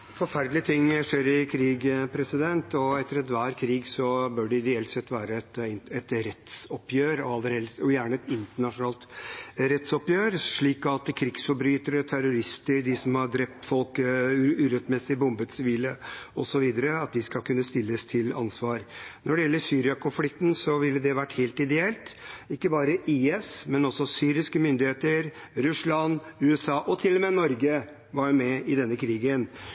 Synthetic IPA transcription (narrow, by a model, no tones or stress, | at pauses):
fɔɾfæɾɖlɪət̪ʰɪŋːʂeːɾɪkʰɾiːɡpʰɾɛsɪd̪ɛnt̪ɔɛt̪ːəɾɛt̪ʋæːɾkʰɾiːɡsɔbœːɖɛɪd̪ɛɛːlt̪sɛt̪ːʋæːɾəɛt̪ɪɛt̪ɾɛt̪sɔpjøːɾɔɑlːəɾhɛlɔjæːɳəɛt̪ɪnt̪əɳɑʂʊnɑːlt̪ɾɛt̪sɔpjøːɾʂɭiːkɑt̪kʰɾɪɡsfɔbɾyːt̪əɾət̪ʰæɾʊɾɪst̪əɾd̪ɪsɔmhɑd̪ɾɛp̚t̪fɔlkʉːɾɛt̪mɛsɪbʊmbət̪sʋiːləɔsɔʋiːd̪əɾəɑt̪̚d̪ɪskɑlkʰʉnːəst̪ɪlːəst̪ʰɪlɑ̰nsʋɑːɾnɔɖɛjɛlːəsyːɾɪɑkʊnflɪkt̪n̩sɔʋɪlːəd̪ɛʋæʈːheːlt̪ɪd̪ɛɛlt̪ɪkːəbɑːɾəʔiːɛsmɛnɔsɔsyːɾɪskəmʏnd̪ɪheːt̪əɾ | ɾʉslɑnʉːɛsɑːʔɔt̪ʰɪlːɔmɛnɔɾɡə | ʋɑɾmɛɪd̪ɛnːəkʰɾiːɡən